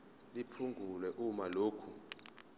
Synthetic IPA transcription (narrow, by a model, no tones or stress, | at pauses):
lipʰuŋɡʱulwɛʔumaloːkʰu